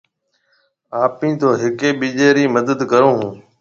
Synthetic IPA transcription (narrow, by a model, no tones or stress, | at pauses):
aːpĩːt̪ʰoːɦɪkeːɓiːd͡ʒeːɾiːməd̪əd̪kəɾõːɦũː